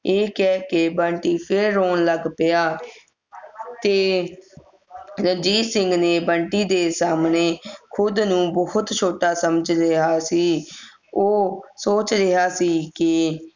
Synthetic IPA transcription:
eːkɛːkebəɳʈiːpʰɪɾːoːnləɡpɪjaː | t̪eː | ɾəd͡ʒiːsɪ̃ŋɡneːbəɳʈiːd̪eːsaːmneːkʰʊd̪nũːbɔhʊt̪t͡ʃʰoːʈaːsəməd͡ʒɾɪɦaːsiː | oːsoːt͡ʃɾɪɦaːsiːki

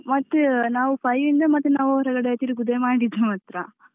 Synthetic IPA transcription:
mɐt̪ːunaːʋupɐjʋind̪ɐmɐt̪ːunaːʋuɾɐɡɐɽeet̪ːiɾiɡud̪emaːɽid̪ɐmɐt̪ɾa

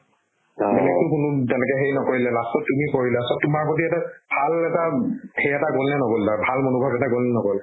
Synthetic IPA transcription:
bɛlɛk̚tʊkunutɛnɛkɛɦejnɔkoɹilalastɔtumikoɹilasɔtumaɹkotiɛtabʱalɛtahʰejɛtaɡolnɛnɔɡɔldabʱalmonubʱabɛtakolnɛnɔɡɔl

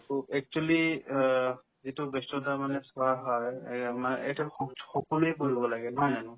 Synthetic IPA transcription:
uɛk̚t͡ʃuali | zitʊbestɔtamanɛsʊaɦɔjmaḛjtɛxɔkɔluejk̬oɹibɔlaɡɛnɦɔjanʊ

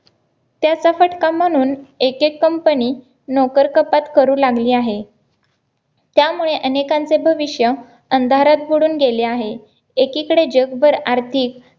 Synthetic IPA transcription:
t̪jat͡safəʈkam̤əɽ̃uːnekekːəmpəniː | nɔkəɾkəpat̪kəɾuːlaɡliːaɦe | t̪jamuɭeʔənekãnt͡sebʱəʋiɕjə | ənd̪ʱaɾat̪̚boɽuːnɡeleaɦeː | kikəɽed͡ʑəɡbəɾaɾt̪ʰik

